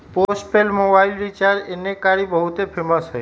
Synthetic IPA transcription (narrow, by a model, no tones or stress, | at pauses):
posʈpelmobailɾit͡ʃaɾd͡ʒenekaɾibəɦut̪epʰeməsɦəj